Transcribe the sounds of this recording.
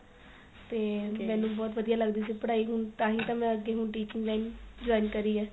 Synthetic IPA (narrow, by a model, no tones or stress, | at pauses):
t̪eːmɛ̃ːnũːbɔːt̪ʋəd̪ijaːləɡd̪iːsipəɽaːiːɦʊnt̪ãːɦĩːt̪ãːmɛ̃ːəɡːeːɦʊɳʈiːt͡ʃɪ̃ŋɡlaːind͡ʒɔːinkəɾiːɛː